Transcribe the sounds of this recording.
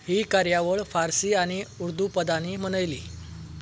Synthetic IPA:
hiːkaɾjaʋəɭfaɾsiːaɽ̃iuɾd̪ʱupəd̪aniːm̤əɽ̃əjlḭː

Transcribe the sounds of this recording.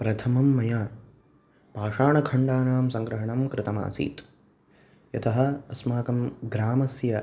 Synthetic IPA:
pɾɐt̪ʰɐmɐmːɐjaː | paːʂaːɳɐkʰɐɳɖaːnaːmsɐŋɡɾɐɦɐɳɐmkɾɪt̪ɐma̰ːsḭːt̪ | jɐt̪ʰɐɦɐ̆ɐsmaːkɐmɡɾaːmɐsjɐ

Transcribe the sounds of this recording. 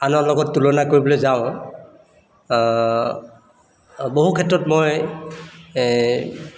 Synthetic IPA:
anɔɹlɔɡɔtːulɔnakoɹibɔlɔjzaʊ̃ | boɦukʰɛtɹɔtmɔj

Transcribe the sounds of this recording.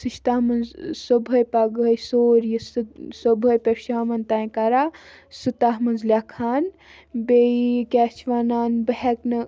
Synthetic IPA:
sɨʃt̪aːmɐnzsobʱɐjpaɡəjsoːɾjissobʱɐjpɐɾʃaːmɐnt̪aːj̃kaɾaː | sut̪aɦmɐnzlʲaːkʰaːn | beikʲɛːt͡ʃʰʋaːnaːnbəɦɛknɐ

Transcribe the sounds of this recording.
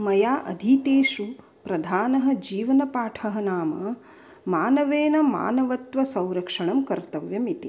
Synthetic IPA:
mɐjaːʔɐ̰d̪ʱit̪eːʃu | pɾɐd̪ʱaːnɐɦɐ̆d͡ʒiːʋɐnɐpaːʈʰɐɦɐnaːmɐ | maːnɐʋeːnɐma̰ːnɐʋɐt̪ʋɐsɐ̃w̃ɾɐkʂɐɳɐmkɐɾt̪ɐʋjɐmit̪i

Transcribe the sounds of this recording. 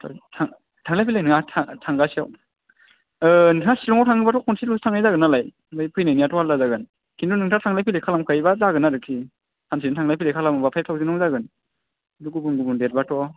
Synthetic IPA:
tʰɔ̰tʰaŋ | tʰaŋlajpʰilajnɯŋatʰatʰaŋɡasiaw | ɯnʰasilɔŋawtʰaŋɯbatʰɔkʰɔnsilustʰaŋajzaɡɯnalaj | bɯjpʰɯjnɯjnijatɔhalːazaɡɯn | kʰindunɯŋtʰatʰaŋlajpʰilekʰalamkʰajbazaɡɯnaɾɯkʰi | hʰans̬idɯntʰaŋlajpʰilekʰalambapʰajtʰawzinɔŋzaɡɯn | nduɡubunɡubundeɾ̚batʰɔ

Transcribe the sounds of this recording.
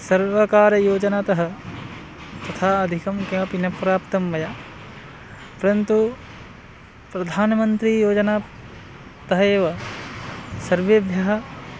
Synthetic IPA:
sɐɾʋɐkaːɾɐjoːd͡ʒɐnaːt̪ɐɦɐ | t̪ɐt̪ʰaːɐd̪ʱikɐmkẽːʋɐpinɐpɾaːpt̪ɐmʋɐjaː | pɐɾɐnt̪u | pɾɐd̪ʱaːnɐmɐnt̪ɾijoːd͡ʒɐnaː | t̪ɐɦɐeːʋɐ | sɐɾʋɐbʱjɐɦɐ̆

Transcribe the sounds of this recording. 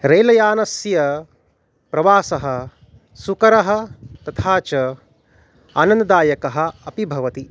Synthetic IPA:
ɾɐjlɐjaːnɐsjɐ | pɾɐʋaːsɐɦɐ | sukɐɾɐɦɐ̆t̪ɐt̪ʰaːt͡ʃɐ | aːnɐnd̪ɐd̪aːjɐkɐɦɐ̆ɐpibʱɐʋɐt̪i

